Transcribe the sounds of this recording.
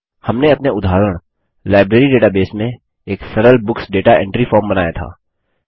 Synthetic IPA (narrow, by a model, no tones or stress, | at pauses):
hɐmneɐpneʊd̪ʱaːɾəɽ̃ | laːɪbɾeːɾiɖeːʈabeːsmẽ | eːksɐɾəlbʊksɖeːʈaʔɛ̰̃ɳʈɾifɔːɾmbɐnaːjat̪ʰa̰ː